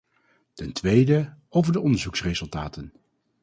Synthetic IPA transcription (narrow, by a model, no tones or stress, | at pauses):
tɛntʋejdəowvəɹdəɔndəɹzuksrezɵlˠtaːtən